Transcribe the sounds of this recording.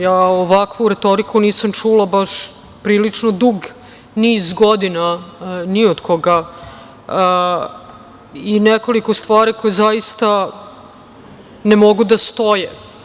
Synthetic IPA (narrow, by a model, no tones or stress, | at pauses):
jaːoʋakʋuɾet̪o̞ɾikuniːsamt͡ʂulabaʂ | pɾiːlit͡ʂnod̪uɡ | nizɡod̪inaniod̪kʰoɡa | ineko̞liko̞st̪ʋaːɾiko̞jezajist̪a | nemoɡud̪ast̪o̞je